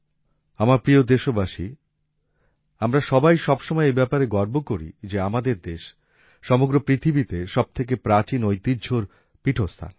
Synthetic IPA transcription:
amaɾpɾiod̪eʃobaʃi | amɾaʃɔbajʃɔbʃomɔeebɛpaɾeɡɔɾbokoɾḭd͡ʑeamad̪eɾd̪eʃː | ɔmoɡɾopɾit̪ʰibit̪eʃɔb̚t̪ʰek̬epɾat͡ɕinojt̪idd͡ʑʱoɾ | piʈʰost̪ʰa̰n

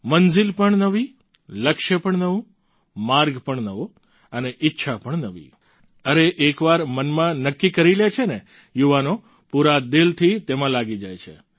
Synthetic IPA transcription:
mənzɪlpəɳnəʋi | ləkʃəpəɳnəʋũ | maɾɡpəɳnəʋo | əneʔɪtːʃʰapəɳnəʋḭ | əɾeʔekʋaɾmənmãnəkːikəɾilet͡ʃʰene | juʋano | puɾad̪ɪlt̪ʰit̪emãlaɡid͡ʒajt͡ʃʰḛ

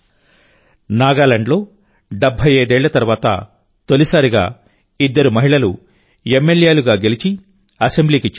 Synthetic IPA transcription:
naːɡaːlɐɳɖlo̞ː | ɖebʱɐjeːd̪ɛːɭːɐt̪ɐɾuʋaːt̪ɐ̰ | t̪olisaːɾiɡa̰ː | id̪ːɐɾumɐɦiɭɐlu | emːe̞ljeːluɡaːɡe̞lit͡ʃi | ɐse̞mbliːkit͡ʃ

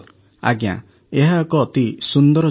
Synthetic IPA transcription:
a̰ɡjã̰ | eɦaɔkɔːt̪isund̪ɔɾɔ

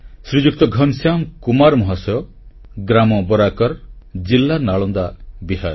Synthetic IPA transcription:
sɾid͡ʒuk̚t̪ɔɡʱɔnsjamkumaɾmɔɦasɔjɔ | ɡɾamɔbɔɾakɔɾd͡ʒilːanaɭɔnd̪abiɦaɾ

